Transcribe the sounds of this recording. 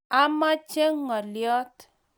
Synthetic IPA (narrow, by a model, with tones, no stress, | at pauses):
a˦ma˦t͡ʃe˦ŋɔ˨ljɔ˦t